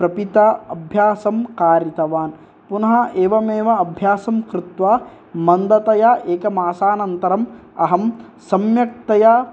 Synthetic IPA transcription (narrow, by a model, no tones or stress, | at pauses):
pɾɐpit̪ɐɐbʱjaːsɐmkaːɾjit̪ɐʋaːn | punɐɦɐʔeːʋɐmeːʋɐɐbʱjaːsɐmkɾɪt̪ʋaː | mɐnd̪ɐt̪ɐjɐʔeːkɐmaːsaːnɐnt̪ɐɾɐmɐ̰ɦɐm | sɐmjɐk̚t̪ɐja